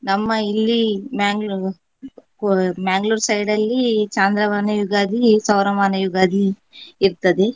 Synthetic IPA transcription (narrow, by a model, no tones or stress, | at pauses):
nɐmːɐilːimaːŋɡ | maːŋɡluːɾsɐjɖɐlːit͡ʃaːnd̪ɾɐʋaːnɐjuɡaːd̪ʱisɐwɾɐmaːnɐjuɡaːd̪ʱiː | ɾt̪ɐd̪e